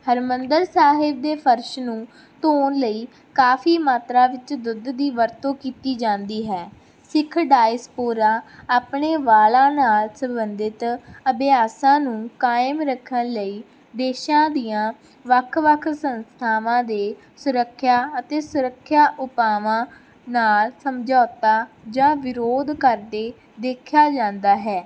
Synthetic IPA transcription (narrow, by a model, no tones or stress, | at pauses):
həɾmənd̪əɾsaːɦɪb̚d̪eːpʰəɾʃnũː | t̪oːnləiː | kaːfʰiːmaːt̪ɾaːʋɪt͡ʃd̪ʊd̪d̪iːʋəɾt̪õːkiːt̪iːd͡ʒãːnd̪iːɦɛː | sɪkʰɖaːɪspoːɾaːaːpɳeːʋaːlãːnaːlsə̃mbənd̪ɪt̪əbɪaːsãːnũːkaːɪmɾəkʰːənləiː | d̪eːʃãːd̪ijãː | ʋəkʰʋəkʰsənst̪ʰaːʋãːd̪eː | sʊɾəkʰːjaːət̪eːsʊɾəkʰːjaːʔʊpaːʋãː | naːlsəmd͡ʒɔːt̪aː | d͡ʒãːʋɪɾoːd̪kəɾd̪eː | d̪eːkʰjaːd͡ʒãːnd̪aːɦɛː